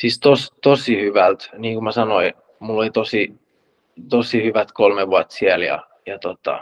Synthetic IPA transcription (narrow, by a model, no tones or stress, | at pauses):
sist̪ost̪osihyʋælt̪niːŋkumæsɑnoi | mulːolit̪osi | t̪osihyʋæt̪kolmeʋuɑt̪ːsieljɑ̰ | jɑt̪ot̪ɑ̰